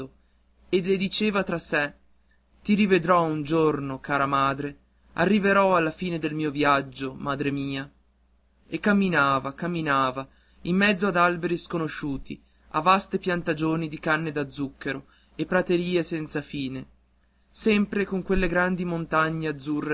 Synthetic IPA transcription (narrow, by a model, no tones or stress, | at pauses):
o | eled̪it͡ʃeːvat̪ɾasɛ | t̪iɾived̪ɾɔund͡ʒornokaːɾamaːd̪ɾe | arːiveɾɔalːafiːned̪elmiːovjad͡ʒːomaːd̪ɾemiːa | ekːamːinaːvakamːinaːva | imːɛd̪zːoad̪albeɾiskonoʃuːt̪ḭ | a̰vːast̪epjant̪ad͡ʒoːnid̪ikanːed̪ad̪zːukːeɾo | epːɾat̪eɾiːesɛnt̪safiːne | sɛmpɾekoŋkwelːeɡɾand̪imont̪aɲːead̪zːurːe